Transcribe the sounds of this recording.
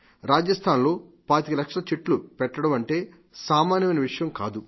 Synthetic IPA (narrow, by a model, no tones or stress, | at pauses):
ɾaːd͡ʒɐst̪ʰaːnlo̞ːpaːt̪ikilɐkʂɾɐt͡ʃiʈlupɛʈːɐɽɐmɐɳʈe̞ː | saːmaːnjɐɐjnɐʋiʂɐjɐmkaːd̪u